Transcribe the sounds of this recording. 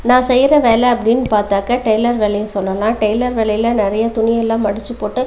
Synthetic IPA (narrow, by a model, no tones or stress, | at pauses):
nãːsɛjɾɐʋeːlɐɐpːɐɽɪnːpaːɾt̪aːkɐʈɐɪlɐɾʋɛlɐjɐsɔlːɐlãːʈɐɪlɐɾʋɛɭɐjɪlɐnɪɾɐjɐt̪ʊɳɪjɐlːãːmɐɽɪt͡ʃːɯpːoːʈːɯ